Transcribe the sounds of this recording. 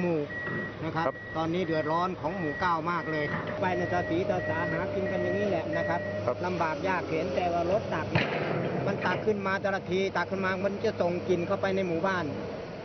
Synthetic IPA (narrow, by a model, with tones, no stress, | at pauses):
muː˨˩na˦˧˩kʰa˦˥p̚t̪ɔː˨nːiː˦˥˩dɯ˨˩ət̪̚lɔː˧˥˨nkʰɔː˨˦ŋmuː˨˩kaː˧˥˩wmaː˥˩k̚lɤː˧jkʰa˦˥pa˧jna˧˩saː˨˧˥siː˨˦tɔː˧saː˨˦ɦaː˨˦ki˧nka˧nja˨˩ŋːiː˦˥˩lɛ˨ʔna˦˥kʰa˦˥p̚la˧mbaː˨˩k̚jaː˥˩k̚he˨˩˦nt̪ɛː˨˩waː˧˩lo˦˥t̪̚ːa˨˩k̚nɛ˧˥˩ma˧˨nt̪a˨˩kʰːɯ˧˩˨nmaː˧t̪ɛ˧la˧˩t̪ʰiː˧t̪a˨˩kʰːɯ˥˩nmaː˧˩k̚ma˧˥˨nt͡ɕa˧˩so˨˩ŋki˨nkʰa˥˩wpa˧jna˧jmuː˨˩baː˥˩n